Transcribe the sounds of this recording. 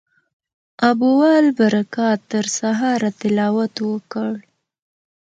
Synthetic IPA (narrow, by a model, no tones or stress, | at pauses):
abuwɑlbaɾakɑt̪əɾsaɦɑɾat̪ɪlɑwat̪wəkəɽ